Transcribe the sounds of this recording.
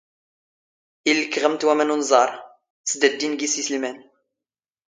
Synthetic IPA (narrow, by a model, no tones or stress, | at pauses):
ilːəkːʁəmt̪wæmænunzˤɑɾˤ | t͡sd̪əd̪ːinɡisisəlmæn